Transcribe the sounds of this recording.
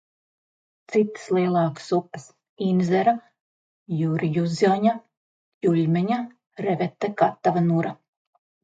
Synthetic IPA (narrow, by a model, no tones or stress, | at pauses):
t̪sit̪ɨ̥slˠiɛlˠɑːksupːɨ̥s | inzɛɾa | juɾijuzʲɔɲa | julʲmɛɲa | ɾevɛt̪ːakat̪ːavanuɾa